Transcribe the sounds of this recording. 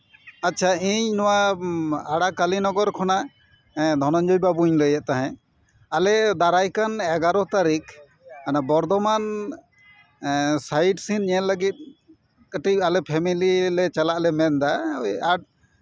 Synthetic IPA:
atːʃʰaĩɲnɔwa | aɽakalinɔɡɔɾkʰɔna | d̪ʱɔnɔnd͡ʒɔjbabuɲləjɛʔt̪aɦɛ̃ | alɛd̪aɾajkanɛɡaɾɔt̪aɾik | kanabɔɾd̪ɔman | sajʈsinɛnləɡit̪̚ˀ | kəʈialɛpʰɛmililɛt͡ʃalaʔlɛmɛnd̪ajaɖ̚

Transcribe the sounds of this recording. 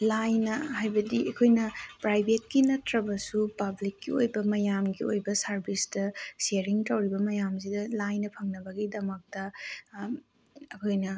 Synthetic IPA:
lajnɐhajbɐdiɐkʰojnɐpɾajbʱet̚kinɐtɾɐbɐsupɐblikːiojbɐmɐjamɡiojbɐsɐɾbʱistɐseɾiŋtɐwɾibɐmɐjams̬idɐlajnɐpʰɐŋnɐbɐɡidɐmɐk̚tɐ | ɐkʰojnɐ

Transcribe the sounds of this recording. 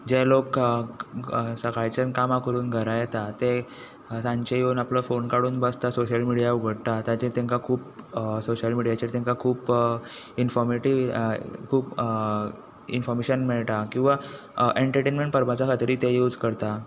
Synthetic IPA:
d͡ʑelok | səkajt͡ɕənkamakəɾuːnɡʱəɾajɛt̪at̪e | sãɲt͡ɕejounapləfonkaɽuːnbəst̪asoɕəlmiɽijauɡʱəɽt̪at̪jãt͡ɕeɾt̪ẽŋkakʰuːpsoɕəlmiɽijat͡ɕeɾt̪ẽŋkakʰuːp | infɔɾmeʈiʋkʰuːp | ḭnfɔɾmeɕənmeɭʈ̪akĩw̃ʋa | ʔeɳʈəɾʈenmẽɳʈ̚pəɾmat͡sakʰat̪ɾiːt̪ejuːd͡zkəɾt̪a

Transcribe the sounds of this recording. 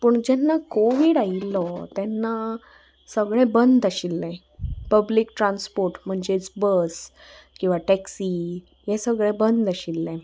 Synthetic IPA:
pəɳd͡ʑɛnːakoʋiɽailːɔt̪ɛnːa | səɡɭɛ̃bənd̪əɕilːɛ̃ | pəblikʈɾãnspoɾʈm̤əɳd͡ʑet͡sbəskĩw̃ʋaʈɛksi | jɛsəɡɭɛ̃bənd̪əɕilːɛ̃

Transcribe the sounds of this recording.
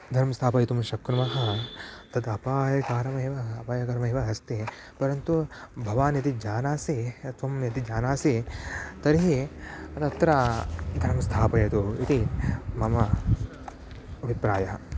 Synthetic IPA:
d̪ʱɐɾmɐst̪ʰaːpɐjɐt̪umʃɐkɾɐmɐɦɐt̪ɐd̪ɐpaːjɐkaːɾɐmɐːʋɐːpaːjɐkɐɾɐmɐːʋɐɦɐst̪i | pɐɾɐnt̪ubʱɐʋaːnjɐt̪id͡ʒaːnaːsiɐt̪ʋɐmjɐt̪id͡ʒaːnaːsit̪ɐɾiɦiɐt̪ɐt̪ɾɐd̪ʱɐɾmɐst̪ʰaːpɐjɐt̪uit̪imɐmɐ | ɐʋipɾaːjɐɐ

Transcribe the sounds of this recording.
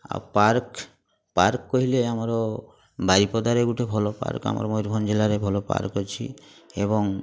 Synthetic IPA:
a̰paɾk | pa̰ɾkːɔɦileamɔɾɔ | baɾipɔd̪aɾeɡuʈʰebʱɔlɔpa̰ɾka̰mɔ̰ɾɔmojɾbʱɔnd͡ʒelaɾebʱɔlɔpa̰ɾkɔt͡ʃʰḭ | ebɔŋ

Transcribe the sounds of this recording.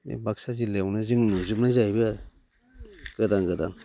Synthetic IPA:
ḛbaksazilewnɯzɯŋnuzupnajzajbɯa | ɡ̥ɯdaŋɡɯda̰ŋ

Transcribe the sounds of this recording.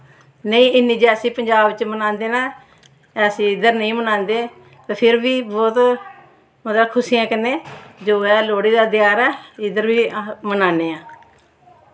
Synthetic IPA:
nəĩːɪniːd͡ʒɛːəsĩːpəɲd͡ʒaːbt͡ʃmənãːnd̪eːnãː | əsĩːɪd̪əɾnəĩːmənãːnd̪eː | t̪eːpʰɪɾbiːbɔːt̪ | mət̪əlkʰʊsiːãːkəneːd͡ʒoːɛːloːɽiːd̪aːd̪jaːɾɛːɪd̪əɾbiːmənãːneːãː

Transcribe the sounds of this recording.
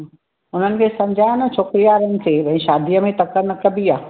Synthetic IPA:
ʊn̤ənɪ̆kʰeːsɐ̃mɪd͡ʑʱaːnɐt͡ɕʰoːkɾijaːɾənɪ̆sʰebɐ̃ĩʃaːd̪ijəmẽt̪ɐkəɾnɐkɐbiaː

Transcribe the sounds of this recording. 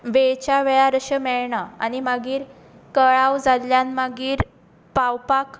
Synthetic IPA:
ʋet͡ɕaʋɛɭaɾəɕəmɛɭɳaa̰nimaɡiːɾ | kəɭawd͡zaljanmaɡiːɾ | pawpak

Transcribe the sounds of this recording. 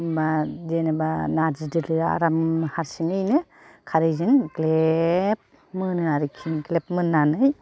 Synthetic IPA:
bazenebanad͡ʒidɯɾɯɾaa̰ɾamhaɾsiŋɯjnɯ | kʰaɾɯjzɯŋklep̚ | mɯnɯaɾɯkʰinklep̚mɯnːanɯj

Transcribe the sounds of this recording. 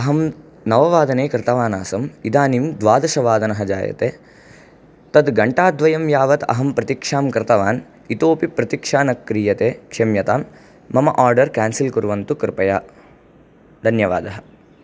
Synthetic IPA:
ɐɦɐm | nɐʋɐʋaːd̪ɐneːkɾɪt̪ɐʋaːnaːsɐmid̪aːnimd̪ʋaːd̪ɐʃɐʋaːd̪ɐnɐɦɐd͡ʒa̰ːjɐ̰t̪ḛː | t̪ɐd̪ɡɐɳʈaːd̪ʋɐjɐmjaːʋɐt̪ɐ̰ɦɐmpɾɐt̪ikʂaːmkɾɪt̪ɐʋaːn | it̪oːpipɾɐt̪ikʂaːnɐkːɾijɐt̪eːkʂemjɐt̪aːmː | ɐmɐʔaːɾɖɐɾkaːnsilkuɾʋɐnt̪ukɾɪpɐjaː | d̪ʱɐnjɐʋaːd̪ɐɦɐ̥̆

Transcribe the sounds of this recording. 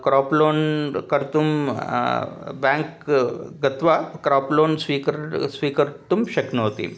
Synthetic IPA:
kɾɔploːnkəɾt̪um | bɛ̃ŋk | ɡɐt̪ʋakɾɔploːnsʋiksʋiːkəɾt̪umɕɐknoɦot̪ḭː

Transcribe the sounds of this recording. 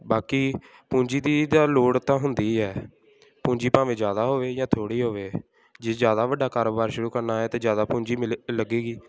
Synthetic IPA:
baːkiː | pũːd͡ʒiːd̪iːd̪aːloːɽt̪ãːɦʊnd̪iːɛː | pũːd͡ʒiːpãːʋẽːd͡ʒjaːd̪aːɦoːʋeːjãːt̪ʰoːɽiːɦoːʋeː | d͡ʒeːd͡ʒjaːd̪aːʋəɖːaːkaːɾoːbaːɾʃʊɾuːkəɾnaːɦɛːt̪eːd͡ʒjaːd̪aːpũːɲd͡ʒiːmləɡeːɡiː

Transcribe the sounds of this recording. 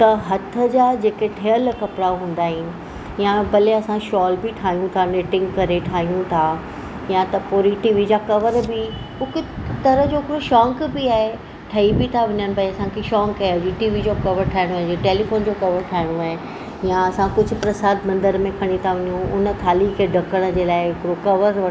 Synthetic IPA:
t̪ɐɦɐt̪ʰə̆d͡ʑaːd͡ʑeːkeʈʰeəlkɐpɾaɦũːn̆d̪aːɦɪnɪ̆ | jãbɐleɐsãʃɔːlbɪʈʰaːɦijũt̪ʰaneːʈɪ̃ŋɡkɐɾeʈʰaːɦijũt̪ʰaː | jãt̪ɐpoːɾiʈiːʋid͡ʑakɐʋəɾbɪ | ʊkʊt̪ɐɾəɦd͡ʑoːkɾoʃɔːŋkbɪaːɦe | ʈʰɐibɪt̪ʰaʋɪɲənɪ̆pɐiɐsãkʰeʃɔːŋkaːɦeɐd͡ʑiʈiːʋid͡ʑokɐʋəɾʈʰaːɪɽ̃oaːɦd͡ʑeʈeːlifoːnd͡ʑokɐʋəɾʈʰaːɪɽ̃oaːɦe | jãɐsãkʊd͡ʑʱʊ̆pɾɐsaːd̪mɐ̃nd̪əɾmẽkʰɐɽ̃it̪ʰaʋɐɲũʊnə̆t̪ʰaːlikʰeɖʱɐkəɽ̃ə̆d͡ʑeːlaːɪɦɪkɪɾokɐʋəɾʋɐ

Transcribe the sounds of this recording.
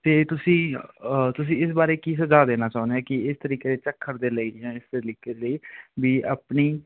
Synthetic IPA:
t̪eːt̪ʊsĩːt̪ʊs̬ĩːɪs̬baːɾeːkiːs̬əzaːd̪eːnaːt͡ʃaːʊ̃nd̪eaːkɪɪst̪əɾiːkeːd̪eːt͡ʃəkʰːəɾd̪eːləiːjãːɪst̪eɾiːkeːd̪ləiːbiːʔa̰ːpniː

